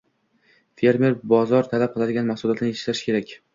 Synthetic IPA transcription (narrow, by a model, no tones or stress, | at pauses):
fe̞ɾme̞ɾbɒzɒɾt̪ʰalap̚qʰɨlˠad̪ɪɡʲanmaχsʊlˠat̪ʰnɪeʃlaʃkʲʰe̞ɾakʲ